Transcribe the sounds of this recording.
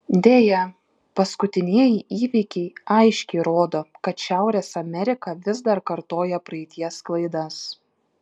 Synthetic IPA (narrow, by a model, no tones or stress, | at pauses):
d̪ʲeːjɛ | pɐskʊt̪ʲɪnʲiɛjɪʔiːʋʲikʲɛɪɐɪʃʲkʲɛɪɾoːd̪oːkɐt̪ʃʲæˑʊɾʲeːsɐmʲɛɾʲɪkɐʋʲɪzd̪ɐɾkɐɾt̪oːjɛpɾɐɪt̪ʲiɛsklˠɐɪd̪ɐs